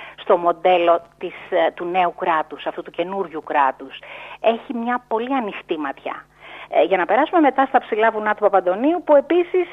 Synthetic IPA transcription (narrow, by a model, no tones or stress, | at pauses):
st̪o̞mo̞nd̪e̞lo̞t̪ist̪une̞ukɾɐt̪usɐft̪ut̪uce̞nuɾʝukɾɐt̪use̞çimɲɐpo̞liɐnixt̪imɐt̪çɐ̰ | ʝɐnɐpeɾɐsume̞me̞t̪ɐst̪ɐpsilɐvunɐt̪upɐpɐnd̪o̞niupue̞pisis